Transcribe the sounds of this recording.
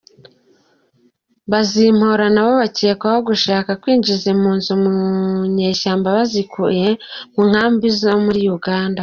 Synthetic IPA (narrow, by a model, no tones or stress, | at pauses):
βazim̥hoɾanaβo̞βace̞ːkwaho̞ɡuʃaːkakwiːɲd͡ʒizem̥uːnzumuɲeʃaːmbaβazikṵje̞muŋ̥haːmbizo̞muɾijuɡaːnda